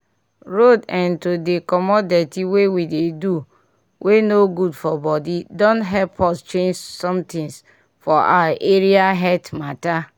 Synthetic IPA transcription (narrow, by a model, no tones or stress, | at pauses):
ɹodɛ̃ntodekɔmɔdɛtiwewidedu | wʔenoɡudfɔbɔdidɔ̃ntɦɛpʰɔst͡ʃẽnd͡ʒsɔ̃mtĩŋs | fɔʔa̰ʔeɾiaɦɛtmata